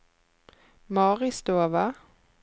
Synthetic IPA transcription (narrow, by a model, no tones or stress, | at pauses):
mɑːʁɪsd̪oːva